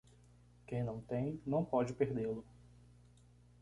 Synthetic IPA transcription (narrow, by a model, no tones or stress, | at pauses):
kẽj̃nɐ̃w̃t̪ẽj̃nɐ̃w̃pɔd͡ʒɪpeɾd̪elʊ